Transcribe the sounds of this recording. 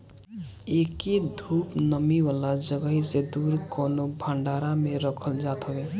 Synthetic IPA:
ekid̪ʱupnəmiwalad͡ʒəɡəɦised̪uɾkonobʱaɳɖaɾameɾəkʰəld͡ʒat̪ɦəbe

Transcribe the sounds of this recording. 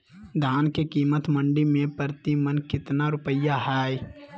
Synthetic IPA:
d̪ʱaːnkekiːmət̪mə̃ɳɖimẽpəɾt̪imənkɪt̪naɾʊpəjaɦaːj

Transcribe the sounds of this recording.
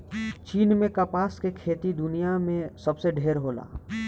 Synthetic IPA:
t͡ʃiːnmẽkɐpaːskekʰeːt̪id̪ʊnijamẽsɐbseɖʱeːɾɦoːla̰ː

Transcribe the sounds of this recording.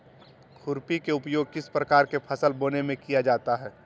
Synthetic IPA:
kʰʊɾpikeʊpjoːɡ̚kɪspɾɐkaːɾkepʰɐsəlboːnemẽkijad͡ʒaːt̪aɦɛː

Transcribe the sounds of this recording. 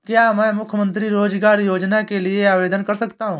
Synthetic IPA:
kjaːmɛ̃ːmʊkʰjmə̃nt̪ɾiɾoːd͡ʒɡaːɾjoːd͡ʒnakelieaːʋeːd̪ənkɐɾsəkt̪aɦũː

